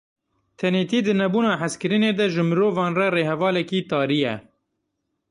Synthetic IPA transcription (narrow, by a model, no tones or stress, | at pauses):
t̪ʰɛneːt̪iːd̪ɨnɛbuːnɑːħaskɨɾɨneːd̪ɛʒɨmɨɾoːvɑːnrɛreːhɛvɑːlɛkiːt̪ɑːɾijɛ̰